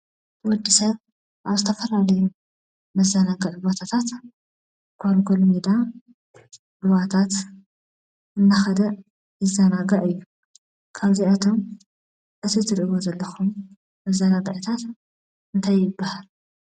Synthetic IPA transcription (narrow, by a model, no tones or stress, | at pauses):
wɔd̪ːisɐβ | ʔaβzɨt̪ʰɐfɐlalɐju | mɐzːɐnaɡɐʕbot̪ʰat̪ʰat̪ | ɡʰoɾmkʰolmid̪a | ʔɨwat̪ʰat̪ | ɨnːaxɐd̪ɐ | ɨzɐnaɡɐʕɨjːu | kʰaβziat̪ʰo̞m | ʔɨt̪ʰizɨɾʔɨβozɐlːɐxumː | ɐzːɐnaɡɐʕt̪ʰat̪ | ɨnt̪ʰajːɪbːahal